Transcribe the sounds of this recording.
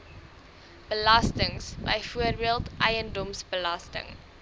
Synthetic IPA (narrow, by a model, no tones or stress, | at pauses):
b̥əlɐstəŋsbəjfuərbiəlˠtʔɛjəndɔmsbəlɐstə̰ŋ